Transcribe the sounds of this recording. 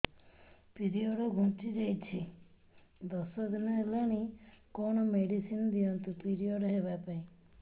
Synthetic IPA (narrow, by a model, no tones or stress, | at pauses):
piɾiɔɽɔɡʱũt͡ʃid͡ʒajt͡ʃʰi | d̪ɔsɔd̪inɔelaɽ̃ikɔɽ̃ɔmeɽisinɔd̪iɔnt̪upiɾiɔɽɔɦeβapaĩ